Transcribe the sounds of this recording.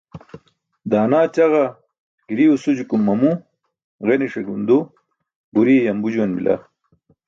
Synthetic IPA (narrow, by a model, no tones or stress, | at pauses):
d̪aːnaːt͡ɕɐɣɐ | ɡ̥iɾiusud͡ʑukumːɐmu | ɣeniʂeɡund̪o | buɾiejɐmbud͡ʑuwɐnbḭla̰